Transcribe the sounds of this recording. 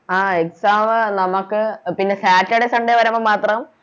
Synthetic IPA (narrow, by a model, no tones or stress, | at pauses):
aːeksaːmɨnɐmɐkːɨpinːe̞saːtːɐɽesɐɳɖeʋɐɾɐmomaːt̪rɐm